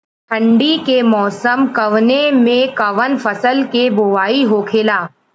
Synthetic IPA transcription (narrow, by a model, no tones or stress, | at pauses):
tʰɐ̃ɳɖikemɔːsəmkɐʋnemẽkɐʋənfɐsəlkeboʋaːiɦokʰeːlaː